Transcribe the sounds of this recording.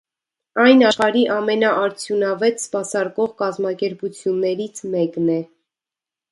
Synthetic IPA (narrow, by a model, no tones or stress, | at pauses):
ɑjnɑʃχɑɾiʔɑmɛnɑʔɑɾt͡sʰjunɑvɛt̪spɑsɑɾkɔʁkɑzmɑkɛɾput͡sʰjunːɛɾit͡sʰmɛknɛ